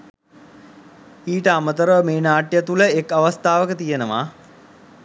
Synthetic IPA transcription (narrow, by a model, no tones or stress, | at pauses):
iːʈəamət̪əɾəʋəmeːnaːʈjət̪uləekːaʋast̪aːʋəkət̪ijenəʋa̰ː